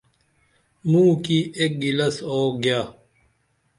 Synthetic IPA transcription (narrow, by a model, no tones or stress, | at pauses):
mũːkiʔek̚ɡilɐsoːɡjaː